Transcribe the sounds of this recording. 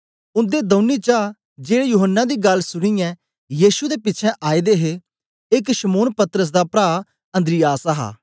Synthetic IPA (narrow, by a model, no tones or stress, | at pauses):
ʊ̃nd̪eːd̪ə̃ʊnːiːt͡ʃaː | d͡ʒeːɽejuːɦənːãːd̪iːɡɐlsʊɽ̃ĩjɛ̃ː | jiːsud̪eːpɪːt͡ʃʰɛ̃ʔaːid̪eːɦe | ɪkʃəmoːnpət̪əɾəs̬d̪aːpɾaː | ə̃nd̪ɾɪjaːsaɦa̰ː